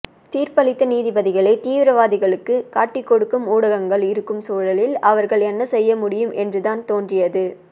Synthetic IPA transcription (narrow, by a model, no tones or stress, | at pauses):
t̪iːɾpɐlɪt̪ːɐniːðɪbɐðɪɣɐɭɐɪt̪iːʋɪɾɐʋaːðɪɣɐɭɯkːɯkaːʈːɪkːɔɽɯkːɯmuːɽɐɣɐŋɡɐɭɪɾɯkːɯmsuːɭɐlɪlɐʋɐɾɣɐɭɛnːɐsɛjːɐmʊɽɪjɯmɛndrɯðaːnt̪oːndrɪjɐðɯ